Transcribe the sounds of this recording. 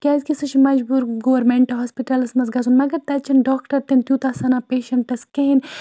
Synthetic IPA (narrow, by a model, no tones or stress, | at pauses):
kʲaːzkisɐt͡ʃʰimɐd͡ʒbuːɾɡoʋɐɾmeɳʈɐɦoːspiʈɐlɐsmɐzɡɐzunmɐɡɐɾt̪ɐt͡ʃʰɐnɖɔːkʈɐɾt̪ent̪juːt̪ɐsɐnaːpeːʃɐɳʈɐskeɦin